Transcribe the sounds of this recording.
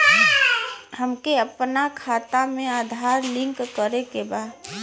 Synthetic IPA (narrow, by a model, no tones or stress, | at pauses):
həmkeəpnakʰaːt̪amẽaːd̪ʱaɾlɪ̃ŋkːəɾekebaːd̪